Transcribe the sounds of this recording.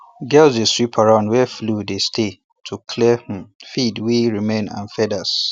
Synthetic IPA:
ɡɛlseswipʰaɹãnwɛfludestʰe | tʰukʰlɛh̩fidwiɹimẽnã̰nfɛdas

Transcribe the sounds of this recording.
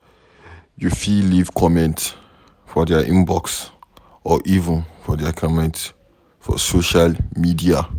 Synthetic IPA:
jufilivkʰɔmɛ̃nt | fɔdaʔĩmbɔks | ɔʔivə̃nfɔdakʰɔmɛ̃nt | fɔ̰soʃalmidia

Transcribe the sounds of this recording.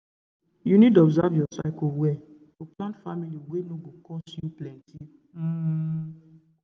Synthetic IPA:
junidɔbzavɔsa̰kɔwɛ | oplãntfamilioɡʷenoɡokɔsiuplɛ̃ntʰi

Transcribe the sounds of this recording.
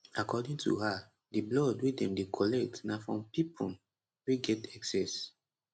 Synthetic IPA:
akɔdĩŋtṵha | diblɔdwedɛ̃mdekʰɔlɛk̚tnafɹɔ̃mpipʰu | weɡɛtɛksɛs

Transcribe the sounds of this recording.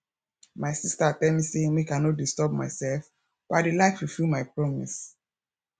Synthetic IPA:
maɪsistaatɛmiseĩŋwikãnɔt̚distɔb̚maɪsɛlf | b̥aɪdelaɪkfufilmaɪpɹɔmḭs

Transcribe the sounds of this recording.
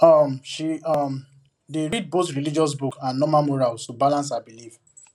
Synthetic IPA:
ɔmʃiɔm | deɹid̚boθɹilid͡ʒɔs̬bukãnnɔmãmɔɹalssobalãns̬abiliv

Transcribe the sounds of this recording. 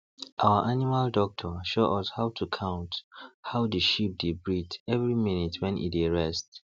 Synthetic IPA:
ʔawəʔanimaldɔk̚tʰɔʃoʔɔshaʊtʰukʰãʊ̃nthaʊdəʃip̚debɹitɛvɹiminitʰwɛ̃nʔḭdeɹɛst

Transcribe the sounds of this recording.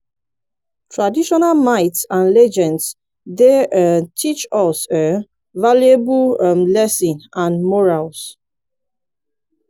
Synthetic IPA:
tʰɹadiʃɔnalmaɪtsãnlɛd͡ʒɛ̃nds | detʰit͡ʃɔsə | valjebumlɛsĩnãnmɔɹals

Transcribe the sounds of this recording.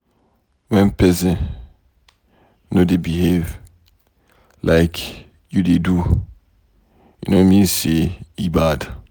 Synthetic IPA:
wɛ̃npɛzɛ̃n | nodebihev | lʔaɪkʰ | judedu | ṵnomĩnseibad

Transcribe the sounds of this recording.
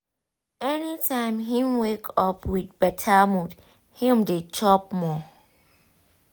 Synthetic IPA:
ɛnitʰãɪ̃mɦĩmwekʰɔpʰwɪd̚b̥ɛtʰamũd | hĩmdet͡ʃʰɔp̚mɔ

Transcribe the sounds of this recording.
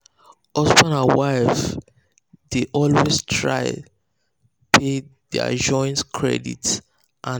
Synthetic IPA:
ɔsbãnãnwwaɪf | deʔɔlwestʰɹa̰ɪ | pʰeðɛ̰d͡ʒɔ̃ɪ̃ntkʰɹɛ̰dḭt | ʔã

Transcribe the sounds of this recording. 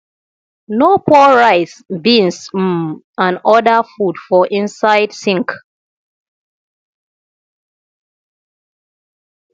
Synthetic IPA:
nopʰɔɹaɪsbĩns̩ | ãnɔdafudfɔʔĩnsaɪdsĩŋk

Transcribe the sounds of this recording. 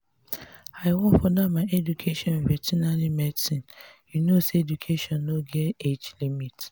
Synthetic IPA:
aɪwɔ̃nfɔdamaɪʔɛdukʰeʃɔ̃nɹɛtʰinalimɛdsĩnjunoseedukʰeʃɔ̃nːoɡɛtet͡ʃlimit

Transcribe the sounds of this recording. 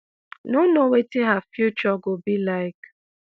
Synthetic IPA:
nonowetiɦafjut͡ʃɔɡobilaɪk

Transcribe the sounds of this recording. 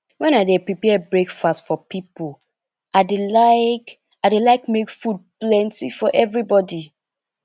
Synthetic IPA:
wɛ̃naɪdepɹipɛbɹekfastfɔpipol | adelaɪk | aɪdelaɪkmekfud̚plɛ̃ntḭfɔʔɛvɹibɔdi

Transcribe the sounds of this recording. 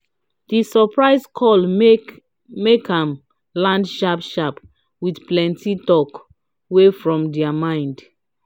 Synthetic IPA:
d̥isɔpɹaɪskʰɔl | mekãm | lãndʃapʃap | widplɛ̃ntitɔk | wefɹɔ̃mdɛamãɪ̃nd

